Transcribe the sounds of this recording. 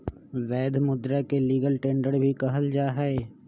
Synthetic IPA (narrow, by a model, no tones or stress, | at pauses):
ʋɛːd̪ʱmʊd̪ɾakeliːɡəlʈẽːɳɖəɽbʱikɐɦəld͡ʒaːɦɛe